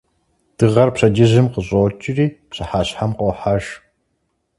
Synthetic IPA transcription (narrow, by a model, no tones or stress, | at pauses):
d̥ɨʁɐrpɕɐd͡ʒɪʑɨmqəɕʼot͡ʃʼɪriːpɕɐħaːɕħamqoħaʒ